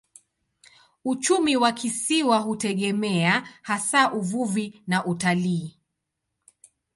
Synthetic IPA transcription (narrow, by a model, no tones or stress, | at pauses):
ut͡ʃumiwakisiwaɦutɛɠɛmɛahasaʔuvuvinaʔutaliː